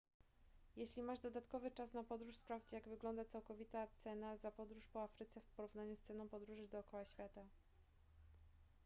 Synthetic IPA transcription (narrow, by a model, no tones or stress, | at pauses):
jeɕlʲimaʐd̪ɔd̪at̪kɔvɘt͡ʂas̬napɔd̪ɾuʂspɾavd͡ʑijaɡvɘɡlɔnd̪at̪sawkɔvʲit̪at̪sɛnazapɔd̪ɾuʂpɔafɾɘt̪sɛfpɔɾuvnaɲust̪sɛnɔ̃w̃pɔd̪ɾuʐɘd̪ɔːkɔwaɕfʲjat̪a